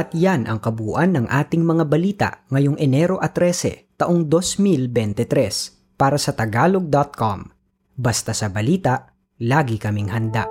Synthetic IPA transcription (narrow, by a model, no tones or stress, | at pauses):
ʔɐt̪janʔɐ̰ŋkɐbuːʔɐnːɐŋʔaːt̪ɪŋmɐŋabɐliːt̪ɐ̰ʔŋɐjoŋʔɛnɛɾo̞ʔɐt̪ɾɛːsɛ̰t̪ɐʔoŋd̪o̞smilbɛnt̪ɛt̪ɾɛs | paːɾɐsɐt̪ɐɡaːlo̞ɡ̚d̪ɐt̪̚kom | bɐst̪asɐbɐliːt̪ɐʔ | laːɡɪkɐmɪŋhɐnd̪a̰ʔ